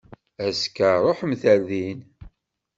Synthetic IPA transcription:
æskːəɾˤoħəmθæɾðin

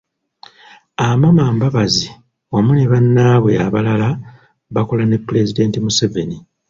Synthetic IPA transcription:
amamaːmbaβazi | wamuneβanːaːβwe̞aβalala | βako̞lane̞pːle̞zide̞ːntimuseve̞ni

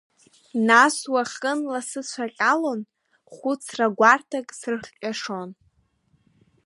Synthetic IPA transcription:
naswaχʲənlasɨt͡ɕʷʰaqʲʼalon | χʷut͡sʰraɡʷartʰakʼsrɨχʲʼaʂo̞n

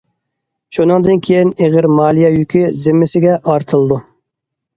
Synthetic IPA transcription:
ʃunɨŋd̪ɨnkʲʰejineʁɪɾmɑːlˠijɑjykʲizɪmːɪsɪɡʲɛʔɑɾt̪ʰɨlˠɨd̪u

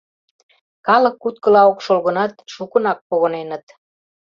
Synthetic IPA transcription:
kɑləkːut̪̚kə̆lɑokʃolɣə̆nɑt̪ʃukə̆nɑk̚poɣənenət̪

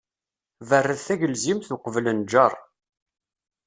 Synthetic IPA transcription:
vərːəðθæʝəlzimθʊqəvlənd͡ʒɑrˤ

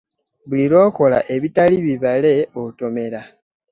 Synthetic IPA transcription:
βuliɾo̞ːko̞la̰ʔe̞βitaliβiβale̞oto̞me̞ɾa

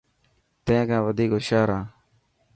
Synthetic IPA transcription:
t̪ẽːkãːʋəd̪ʱiːkoːʃaːɾãː

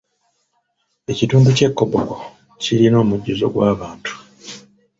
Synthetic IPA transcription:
e̞cituːmbuce̞kːoboko | ciɾino̞ːmuɟːuzo̞̰ɡwaːβaːntu̥

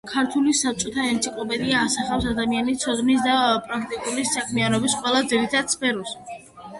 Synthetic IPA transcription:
kʰaɾt̪ʰulisap̚t͡ʃʼɔt̪ʰaɛnt̪sʰikʼlɔpɛd̪iaːsaχafsad̪amianit̪sʰɔd̪nis̬d̪apʼɾak̚ʰt̪ʼikʼulisakʰmianɔbisqʼwɛlˠad̪ziɾit̪ʰad̪spɛɾus

